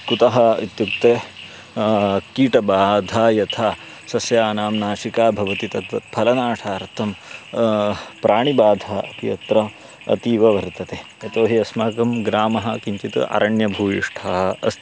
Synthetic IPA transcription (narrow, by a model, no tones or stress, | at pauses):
kut̪ɐɦɐit̪juk̚t̪e | kiːʈɐbaːd̪ʱaːjɐt̪ʰaː | sɐsjaːnaːmnaːʃikaːbʱɐʋɐt̪it̪ɐt̪ʋɐt̪̚pʰɐlɐnaːʈʰaːɾt̪ʰːɐm | pɾaːɳibaːd̪ʱaːɐt̪ijɐt̪ɾɐ | ɐ̰t̪iːʋɐʋɐɾt̪ɐt̪eːjɐt̪oːɦiɐsmaːkɐmɡɾaːmɐɦɐkiɲt͡ʃit̪ɨ̰ʔa̰ːɾɐɳjɐbʱuːʋḭʂʈʰɐɦɐɐ̰s